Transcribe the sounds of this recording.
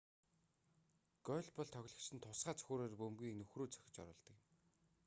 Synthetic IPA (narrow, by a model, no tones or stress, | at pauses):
ɡ̥œːɮʲpɔɮt̪ʰœɣʲɮə̆kt͡ɕɪ̆nt̪ʰʊsɢaːt͡sɵ̥xʲoːɾeːrpɵmɡʲiːnɵxruːt͡sœ̥xʲɪ̥̆t͡ɕɔ̰ɾʊːɮt̪ə̆kɪ̆m